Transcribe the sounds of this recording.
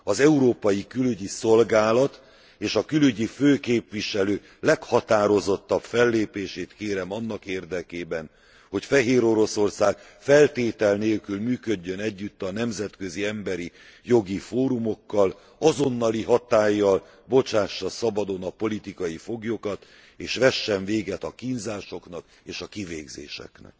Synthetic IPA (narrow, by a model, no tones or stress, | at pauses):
ɒzɛuɾoːpɒjikylyɟiso̞lɡaːlɒt̪ | eːʃɒkylyɟiføːkeːpʋiʃɛløː | lɛkhɒt̪aːɾo̞zo̞t̪ːɒbfɛlːeːpeːʃeːt̪keːɾɛmɒnːɒkeːrd̪ɛkeːbɛn | ho̞cfɛɦeːɾo̞ɾo̞so̞rsaːɡ | fɛlt̪eːt̪ɛlneːlkylmyːkøɟːønɛɟːyt̪ːɒnɛmzɛt̪kø̞ziɛmbɛɾi | jo̞ɡifoːɾumo̞kːɒl | ɒzo̞nːɒliɦɒt̪aːjːɒl | bo̞t͡ʃaːʃːɒsɒbɒd̪o̞nɒpo̞lit̪ikɒjifo̞ɡjokɒt̪ | eːʃʋɛʃːɛɱveːɡɛt̪ɒkinzaːʃo̞knɒk | eːʃɒkiveːɡzḛːʃɛ̰knɛ̰k